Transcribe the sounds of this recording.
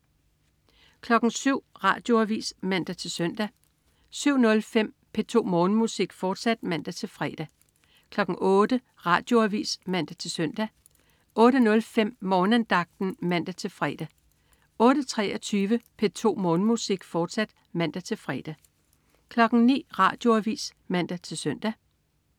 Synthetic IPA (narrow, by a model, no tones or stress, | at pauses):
kʰlɒ̽ɡ̥n̩syʊ̰ʁɑ̈ːd̥jo̝æʋḭsmæn̰d̥æt͡sʰe̝lsœn̰d̥æ | syʊ̰nɔ̽lfem̰ | pʰe̝t͡sʰo̝̰ːmɔːnmusiɡ̥fɒːd̥sæd̥mæn̰d̥æt͡sʰe̝lfʁɛd̥æ | kʰlɒ̽ɡ̥ŋ̩ʔɔːd̥ə | ʁɑ̰̈ːd̥jo̝æʋḭːsmæn̰d̥æt͡sʰe̝lsœn̰d̥æ | ʔɔ̽ːɾənɔ̽lfem̰mɒːnænd̥ɑ̈ɡ̥̚d̥n̩mæn̰d̥æt͡sʰe̝lfʁɛːd̥æ | ɔ̽ːɾ̥ət͡sʰʁɛɒt͡sʰyːʋəpʰe̝t͡sʰo̝̰ːmɔ̽ːnmusiɡ̥fɒːd̥sæd̥ | mæn̰d̥æt͡sʰe̝lfʁɛ̰ːd̥æ | kʰlɒ̽ɡ̥ŋ̩nḭːʁɑ̈ːd̥jo̝æʋḭːs | mæn̰d̥æt͡sʰe̝lsœn̰d̥æ